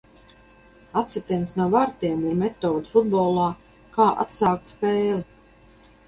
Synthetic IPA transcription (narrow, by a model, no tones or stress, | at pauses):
at̪sɛt̪insnuɔvaɾt̪iɛmiɾmɛt̪ɔːd̪ufud̪bɔːlˠaː | kaːʔa̰t̪saːk̚t̪spɛːli